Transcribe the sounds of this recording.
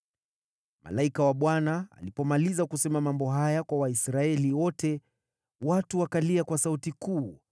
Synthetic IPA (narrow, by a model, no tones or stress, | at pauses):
ma̰laikawaɓwanaa̰lipɔmalizakusɛmamambɔɦajakwawaisɾaɛliwɔtʰɛ | watuwakaliakwasautikuː